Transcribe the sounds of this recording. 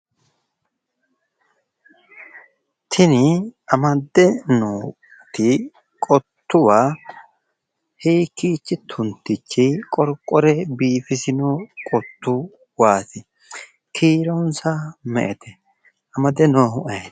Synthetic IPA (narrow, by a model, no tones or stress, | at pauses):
t̪ʰɪnɪʔɐmɐd̪ːɛnoː | t̪ːɪ | kʼɔt̪ːʊwaː | hiːkːiːt͡ʃːɪt̪ʰʊnt̪ːɪt͡ʃːɪkʼɔɾkʼːɔɾɛbiːfɪsɪnokʼɔt̪ːʊ | waːt̪ɪ | kʰiːɾɔnsamɛ̰ʔɛt̪ɛ | ʔɐmɐd̪ɛnoːhʊʔɐj